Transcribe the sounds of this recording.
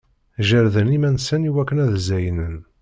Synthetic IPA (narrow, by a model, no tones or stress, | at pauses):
ʒəɾðənimænsəniwækːənæðzæjənən